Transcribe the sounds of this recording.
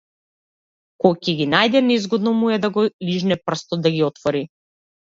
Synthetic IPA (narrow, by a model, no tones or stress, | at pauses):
kɔjcɛɡinajd̪ɛnɛizɡɔd̪nɔmuɛd̪aɡɔliʒnɛpr̩st̪ɔd̪aɡiɔt̪vɔɾi